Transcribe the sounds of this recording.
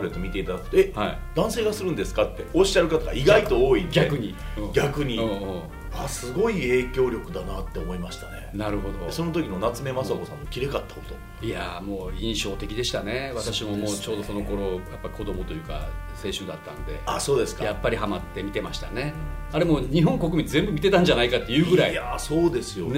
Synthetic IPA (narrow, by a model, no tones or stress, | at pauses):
ɾet̪ːomʲit̪e̞it̪ad̪akɯ̟̥t̪oehaid̪ãɰ̃se̞ːɡasɨɾɯ̟̃nd̪e̞sɨ̥kat̪ːe̞oɕi̥aɾɯ̟kat̪aɡaiɡait̪o̞oːidɡʲaekɯ̟ɲ̟i | ɯ̃ːɡʲakɯ̟ɲ̟iɯ̃ːɯ̃ː | asɨɡo̞ie̞ːkʲo̞ːɾʲo̞kɯ̟d̪anat̪ːe̞omo̞imaɕi̥t̪ane̞naɾɯ̟ɦo̞d̪o̞so̞no̞t̪̬o̞kʲino̞nat͡sɨme̞masabosãnːokʲiɾe̞kat̪ːḁko̥t̪o | iamo̞ːĩɰ̃ɕo̞ːt̪e̞kʲid̪e̞ɕi̥t̪ane̞βat̪aɕimo̞moːt͡ɕo̞ːd̪o̞so̞no̞ko̞ɾo̞japːaɾʲiko̞d̪o̞mo̞t̪o̞jɯ̟ːka̰se̞ːɕɨd̪at̪ːã̰nd̪e̞̰aso̞ːd̪e̞sɨ̥kajapːaɾʲihamat̪ːe̞mʲit̪e̞maɕi̥t̪ane̞aɾe̞mo̞ːɲ̟iɦõ̞ŋko̞k̬ɯ̟mʲĩzẽ̞mbɯ̟mʲit̪e̞t̪ãɲ̟d͡ʑanaikat̪ːe̞jɯ̟ːɡɡɯ̟ɾaiasoːd̪e̞sɨjo̞n